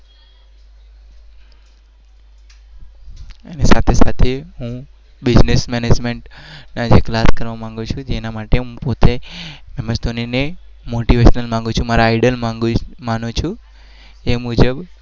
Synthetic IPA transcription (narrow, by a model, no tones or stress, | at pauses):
anesat̪ʰesat̪ʰeɦũ | bɪd͡ʒnesmɛned͡ʒmeɳʈnad͡ʒeklaskəɾʋamãŋɡũt͡ʃʰũd͡ʒenamaʈeɦũpot̪ʰemɛmət͡ʃd̪ʱonine | moʈiʋeʃnəlmãŋɡũt͡ʃʰũmaɾaːiɖəlmaɡumanũt͡ʃʰũ | emud͡ʒəb